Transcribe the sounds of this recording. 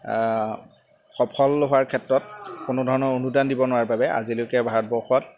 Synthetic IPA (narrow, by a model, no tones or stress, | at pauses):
xɔpʰɔlɦʊaɹkʰɛtɹɔtkʊnʊdʱɔɹɔnɔɹonudandibɔnʊwaɹbabɛʔa̰zilʊjkɛbʱat̚bɔɹxɔt